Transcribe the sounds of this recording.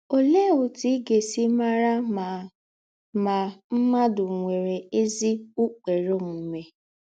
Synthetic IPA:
o˨le˦˨ʊ˨ti˦ɡe˨si˦ma˦ɾa˦ma˨ | ma˨m̩˦ma˦dʊ˨ŋʷe˨ɾe˨e˦zi˦u˦k͡pe˨ɾo˦m̩˨me˨

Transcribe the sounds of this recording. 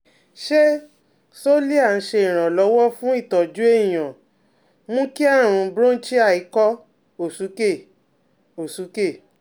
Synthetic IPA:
ʃe˦ | so˦li˦a˦˨n̩˦ʃe˧i˨ɾ̃ã˨lɔ˨˦wɔ˦fũ˦i˦˨tɔ˨d͡ʒu˨˦e˦ĩ˨j̃ã˨ | mũ˦ki˦a˦˨ɾ̃ũ˨˧˦bɾõ˦t͡ʃi˦a˦˨i˨˧˦kɔ˦ | o˨su˨˦ke˦˨ | o˨su˨˦ke˦˨

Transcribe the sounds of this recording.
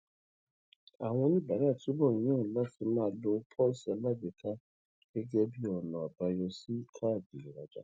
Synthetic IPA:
a˨w̃ɔ̃˦nĩ˦ba˨ɾa˦˨tu˨˦bɔ˦˨ɔ̃˦˨la˦fɪ˨mãː˦˨˦lo˦pʰɔ˦sa˨la˦de˨kʰa˦ | e˦ɡɛ˦bi˦ɔ˨nɔ̃˨a˨ba˨jɔ˦si˦kʰa˦˨di˨ɾa˨d͡ʒa̰˨

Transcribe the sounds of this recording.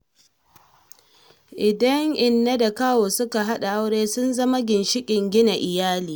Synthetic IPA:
ʔɪ˨dɐ˦ŋʔɪ˨nːa˦da˨kaː˦woː˨sʊ˦ka˨ɦa˦ɗa˨ʔa˦wɽeː˦sʊ˦nzɐ˦ma˦ɡʲɪ˨nʃɪ˦kʲʼɪ˨ŋɡʲɪ˦na˨ʔɪ˨jaː˦liː˨

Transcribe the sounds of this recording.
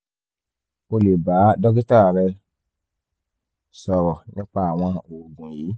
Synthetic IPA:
o˦le˨ba˨˦dɔ˦ɡi˦ta˦˨ɾɛ˧ | sɔ˨ɾɔ˨ɲĩ˦k͡pa˦˨w̃ã˦o˨ɡũ˨ji˨˦

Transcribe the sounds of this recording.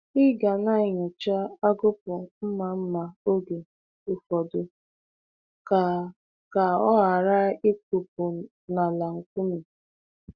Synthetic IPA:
ɪ˦ɡa˨na˦ɪ˨ɲʊ˨t͡ʃa˦a˦ɡʊ˦pʊ˨m̩˦ma˨m̩˦ma˨o˦ɡe˨ | ʊ˨fɔ˨dʊ˨ | ka˨ | ka˨ɔ˦ɦa˨ɾa˦e˦ku˨p̚ʊ˨ | na˨la˨ŋ̩˨kʷu˦mi˨

